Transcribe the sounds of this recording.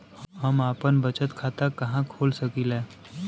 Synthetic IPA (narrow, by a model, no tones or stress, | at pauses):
ɦəmaːpənbət͡ʃət̪kʰaːt̪akɐɦãkʰoːlsəkilɛ̃ː